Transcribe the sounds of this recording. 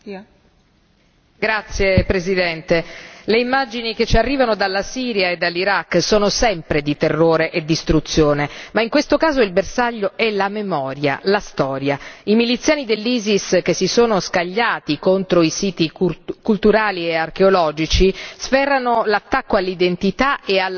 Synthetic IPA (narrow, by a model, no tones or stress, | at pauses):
ɡɾat̪sːjepɾezid̪ɛnt̪eleimːad͡ʒiniket͡ʃːiarːiːvanod̪alːasiːɾjaed̪ːalːiɾakːsoːnosɛmpɾed̪it̪erːoːɾeʔed̪ːist̪ɾut̪sːjoːnemaiŋkwest̪okaːzoilbersaʎːoʔɛlamemɔːɾja̰last̪ɔːɾjaimilit̪sjaːnid̪elːiːziskesːisoːnoskaʎːaːt̪ikont̪ɾoisiːt̪ikult̪uɾaːliearkeolɔːd͡ʒit͡ʃisfɛrːanolat̪ːakːoalːid̪ent̪it̪aeal